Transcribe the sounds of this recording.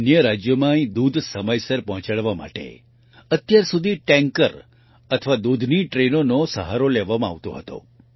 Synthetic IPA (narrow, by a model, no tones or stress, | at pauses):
njəɾad͡ʒjəmãĩd̪ud̪ʱsəməjsəɾpɔɦɔ̃t͡ʃaɭʋama̰ʈḛ | ət̪jaɾsud̪ʱiʈɛ̃ŋkəɾ | ət̪ʰəʋad̪ud̪ʱniʈɾenonosəɦaɾoleʋamãa̰ʋt̪o̰ɦət̪o̰